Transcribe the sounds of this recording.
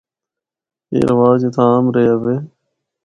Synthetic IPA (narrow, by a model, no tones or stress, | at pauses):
ḛːɾəʋaːd͡ʒet̪ʰãaːmɾəjaːʋeː